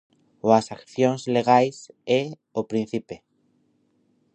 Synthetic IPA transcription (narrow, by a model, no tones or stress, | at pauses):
oasakθjo̞nzle̞ɣ̞ajse | opɾĩn̟θipe